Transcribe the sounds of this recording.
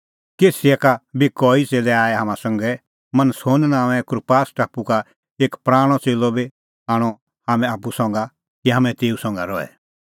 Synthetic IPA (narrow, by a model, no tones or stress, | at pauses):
keːsiɛkabikɔːit͡seːlɛaːɛɦamãsɐ̃ŋɡɛ | mɐ̃nəshoːnnãːʋɛ̃kɾpaːsʈaːpuka | eːkpɾaːɽ̃ɔt͡seːlɔbi | aːɽ̃ɔ | hamɛ̃aːpusɔ̃ŋɡa | kiɦamɛ̃t̪eːusɔ̃ŋ̆ɡa̰ɾɔɛ̰